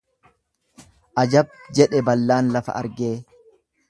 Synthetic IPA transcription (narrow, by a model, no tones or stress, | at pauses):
ʔɐd͡ʒɐb̚d͡ʒɛᶑɛbɐlːaːnlɐfɐ̰ʔɐ̰ɾɡeː